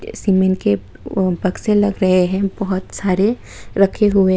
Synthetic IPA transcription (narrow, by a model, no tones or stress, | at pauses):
simenke | bɐkselɐɡɾɐɦeɦɛ̃bɐɦʊt̪saːɾe | ɾɐkʰeɦue